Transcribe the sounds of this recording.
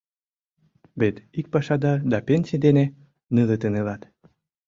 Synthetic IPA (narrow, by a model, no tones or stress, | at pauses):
βet̪ik̚pɑʃɑd̪ɑd̪ɑpenʲsʲijd̪ene | nɨlət̪ənelɑt̪